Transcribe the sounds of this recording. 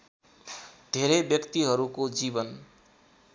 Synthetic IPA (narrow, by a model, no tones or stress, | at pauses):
d̪ʱeɾʌjbjʌkt̪iɦʌɾukod͡zibʌn